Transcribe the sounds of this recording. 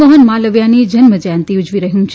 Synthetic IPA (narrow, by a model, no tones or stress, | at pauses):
əɦənmaləʋjanid͡ʒənməd͡ʒjãnt̪iud͡ʒʋiɾəɦũt͡ʃʰ